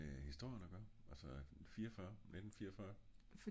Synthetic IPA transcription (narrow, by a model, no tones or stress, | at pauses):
ehisd̥o̝ɐ̰jnɐɡ̥ɶɐælsɒfiːɐɒfɶɐned̥n̩fiːɐɒfɶːɐf